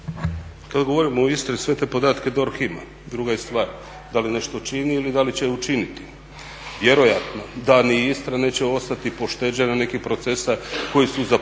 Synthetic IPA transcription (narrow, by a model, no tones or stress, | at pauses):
kad̪ɡo̞ʋo̞ɾimoist̪ɾesʋe̞t̪e̞ːpo̞d̪aːt̪ke̞d̪o̞ɾxima̰ | d̪ɾuɡajest̪ʋaːɾ | d̪aline̞ʃt̪ot͡ʃiniːlid̪alit͡ɕeut͡ʃinit̪i̥ | ʋje̞ɾo̞jat̪no̞d̪aniist̪ɾanet͡ɕeo̞st̪at̪ipo̞ʃt̪e̞ːd͡ʑenene̞kipɾo̞t̪sesako̞jisuza